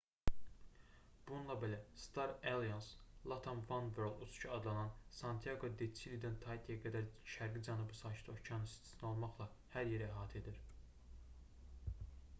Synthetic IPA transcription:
b̥ununlˠɑbe̞læst̪ɑɾelˠijɑnslˠat̪ʰanvɑnvøɾlˠuscʰɑɑd̪lˠɑnɑnsɑnt̪ʰijɑɡo̞d̪et͡ʃʰilid̪ent̪ʰɑjt̪ʰijɑɡæd̪æɾʃæɾɡid͡ʒɑnubɯsɑːt͡ʃʰi̥t̪ʰot͡ʃʰɑnst̪ʰi̥sno̞lˠmɑχlˠɑ | hæɾje̞ɾææɦɑːt̪ʰe̞d̪iɾ

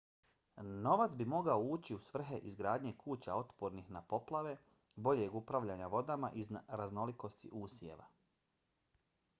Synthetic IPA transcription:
no̞ʋat̪sbimo̞ɡaouːt͡ɕiusʋr̩ɦe̞ʔizɡɾaːd̪ɲe̞kʰuːt͡ɕao̞t̪poɾnixnapo̞plˠaʋe̞ | bo̞ʎe̞ɡupɾaʋʎaɲaʋo̞d̪amaʔizɾazno̞liko̞st̪ḭʔuːsje̞̰ʋa̰

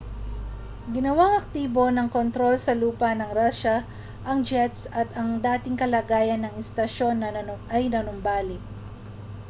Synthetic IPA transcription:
ɡɪnɐwaŋɐk̚t̪iːbo̞nɐŋkont̪ɾo̞lsɐluːpɐnɐŋɾaʃɐ | ʔɐŋd͡ʒɛt̪sɐt̪ɐŋd̪aːt̪ɪŋkɐlaːɡaːjɐnːɐŋɪst̪ɐʃo̞nːɐɐɐjnɐnʊmbaːlɪt̚

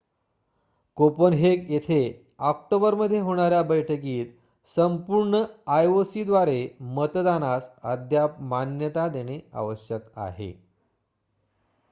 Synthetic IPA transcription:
kopənɦekjet̪ʰe | ɔk̚ʈobəɾməd̪ʱːjeɦoɽ̃aɾjabəjʈʰək̬iːt̪ | səmpuɾɳəajosid̪ʋaɾemət̪d̪anasəd̪ʱjamanjət̪ad̪eɽ̃ea̰ʋəɕjəka̰ɦḛ

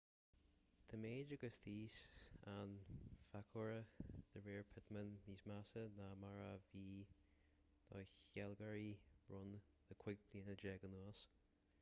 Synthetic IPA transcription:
t̪ʰəmeːd͡ʒəɡəst̪ʰiːsanfakʰɔɹəd̪̥əɹeːɹpʰɪt̪mənːiːsmasənamaɹaviː | d̪̥ʰɔjçɛlɡaɹi̥ɹʊn | d̪̥əkʰw̥ɪɡ̚bliːənəd͡ʒɛɡənuəs

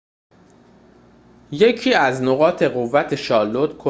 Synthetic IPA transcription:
je̞cʰiːæzno̞ɣɒːt̪ʰe̞ɣo̞vːæt̪ʰe̞ʃɒːlot̪kʰo

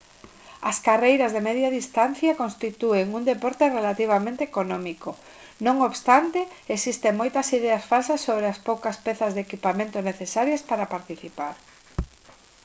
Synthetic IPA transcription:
ɐskarejɾɐzðemɛðjaðist̪anθjakonst̪it̪ueŋuŋd̪epɔɾt̪erelat̪iβ̞amẽnt̪eːkonomiko | nõŋoβst̪ant̪ɪesist̪eŋmojt̪ɐsiðeasfalsɐsːoβɾeaspowkɐspɛθɐzðekipamẽnt̪oneθesaɾjaspaɾapaɾt̪iθipaɾ

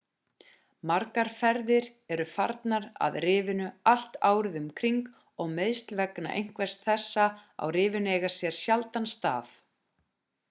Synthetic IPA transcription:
maɾkaɾ̥fɛɾðɪɾ | ɛɾʏfaɾt̪naɾa̰ðrɪːvɪnʏal̥t̪aːwɾɪðʏmkʰɾiŋk | ɔɣmeːjst̪lvɛkna̰ʔḛjŋ̥kvɛst̪θɛsːaa̰wrɪːvɪneːjɣaɾ̥sjɛɾ̥sjalt̪anst̪a̰ːθ

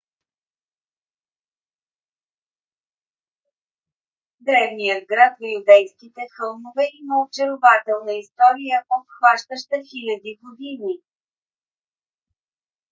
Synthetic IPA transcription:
d̪ɾɛvnijəd̪̚ɡɾat̪vojud̪ɛjskit̪ɛxɤlˠmovɛiməot͡ʃɛɾovat̪ɛlˠnəist̪ɔɾijəʔofxvaʃt̪əʃt̪əxilʲɐd̪iɡod̪ini

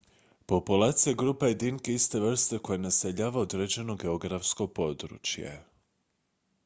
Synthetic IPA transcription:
po̞pulaːt̪sijaɡɾuːpajed̪inkeist̪eʋr̩st̪eko̞jenaseʎaːʋaod̪ɾed͡ʑe̞no̞ɡeo̞ɡɾafsko̞po̞d̪ɾṵt͡ʃjḛ

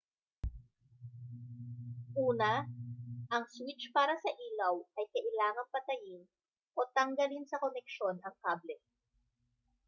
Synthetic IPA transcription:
ʔuːnɐ | ʔɐŋswɪt͡ʃpaːɾɐsɐʔiːlɐwʔɐjkɐʔɪlaːŋɐŋpɐt̪ɐjɪn | ʔo̞t̪ɐŋɡɐlinsɐkonɛk̚ʃo̞nɐŋpablɪk̚

